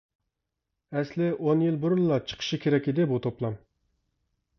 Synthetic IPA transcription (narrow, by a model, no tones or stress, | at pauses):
ɛslɪʔonjilˠbuɾʊnlɑt͡ʃʰə̥qʰə̥ʃikʲʰeɾɛkʲid̪ɪbut̪ʰoplˠɑm